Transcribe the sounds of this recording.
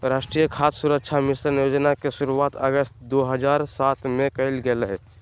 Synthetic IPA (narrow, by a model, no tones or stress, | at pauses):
ɾaːʃʈɾijəkʰaːt̪suɾəkʃʰamɪsɾənjoːd͡ʒnakeʃuɾuaːt̪əɡəst̪̚d̪oːɦəd͡ʒaːɾsaːt̪ʰmẽkɐɪlɡəlɦɛ